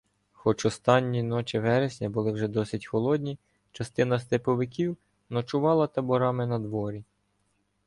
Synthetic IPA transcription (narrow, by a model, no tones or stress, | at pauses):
xɔt͡ʃɔst̪ɑnʲːinɔt͡ʃɪʋɛɾesʲnʲɐbʊlˠɪwʒɛd̪ɔsʲɪtʲxɔlˠɔd̪ʲnʲi | t͡ʃɐst̪ɪn̪ɐs̬t̪epɔʋɪkʲiw | nɔt͡ʃʊʋɑlˠɐt̪ɐbɔɾɑmɪnɐd̪ʋɔɾʲi